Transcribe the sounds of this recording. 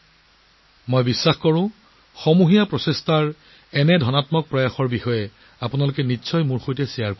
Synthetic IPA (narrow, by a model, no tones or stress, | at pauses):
mojbisːaxkɔɹʊ̃ | xɔmuɦijapɹɔsestaɹ | ɛnɛdʱɔnatmɔk̚pɹɔjaxɔɹbixɔjɛ | apʊnalʊkɛnisʰɔjmuɹxojtɛsijaɹko